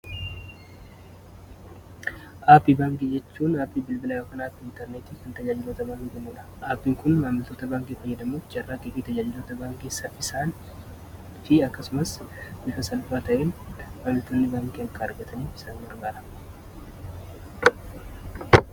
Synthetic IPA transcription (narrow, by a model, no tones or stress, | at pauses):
ʔaːpiːbaːŋkʼeːd͡ʒɛt͡ʃːuːnaːpːiːbɪlbɪlaːjoːkɐnaːt̪ːɪnt̪ɛɾneːt̪iːkɐnt̪ɐd͡ʒaːd͡ʒɪloːt̪ɐbaːŋkɛmuːᶑɐ̥ʔaːpːiːŋkʊnmaːmɪlt̪o̞ːt̪ɐbaːŋkʼiːfɐjːɛd̪ɐmuːfd͡ʒɐrːaːkʼefiːt̪ɐd͡ʒaːd͡ʒɪlo̞ːt̪ɐbaːŋkʼiːsɐfɪsaːn | fɪɐkːɐsʊmɐsbɪfɐsɐlbaːt̪ɐʔeːnmaːmɪlt̪oːnːɪbaːŋkʼeːɐkɐɐɾɡɐt̪ʰɐniːfɪ̥saːŋɡɐɾɡaːɾɐ̥